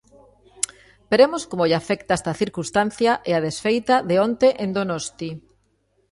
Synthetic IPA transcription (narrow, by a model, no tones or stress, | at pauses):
beɾemoskomoʎafɛkt̪aest̪aθiɾkust̪an̟θjaʔeaðesfejt̪aðeont̪eʔẽnd̪onost̪i